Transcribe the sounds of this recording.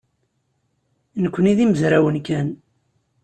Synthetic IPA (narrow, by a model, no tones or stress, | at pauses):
nəkʷːəniðiməzɾæwənkæn